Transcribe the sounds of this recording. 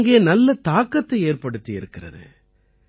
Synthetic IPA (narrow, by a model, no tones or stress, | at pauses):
ŋɡeːnɐlːɐt̪aːkːɐt̪ːɐɪeːrpɐɽɯt̪ːiɪɾɯkːɪrɐ̰ðɯ̰